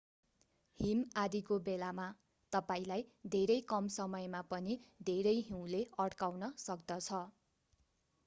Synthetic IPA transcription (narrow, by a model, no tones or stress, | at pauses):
himad̪ikobelama | t̪ʌpaĩlajd̪ʱeɾʌjkʌmsʌmʌjmapʌnid̪ʱeɾʌjɦĩw̃leʌɽkawnʌsʌkd̪ʌt͡sʰʌ